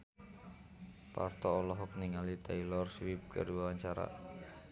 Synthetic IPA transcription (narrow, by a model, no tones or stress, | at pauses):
pa̰rt̪ɔːlɔɦɔk̚niŋalit̪ɛilɔrswip̚kə̰duawaɲt͡ʃaɾa̰